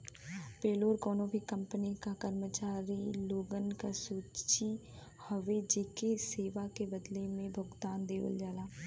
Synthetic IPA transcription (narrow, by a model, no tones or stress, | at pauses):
peːloːɾkɔːnõbʱikə̃mpənikakəɾmət͡ʃaːɾiloːɡənkasuːt͡ʃi | həʋed͡ʒeːkeseːʋakebəd̪lemẽbʱəɡt̪aːnd̪eːʋə̰ld͡ʒaːlaː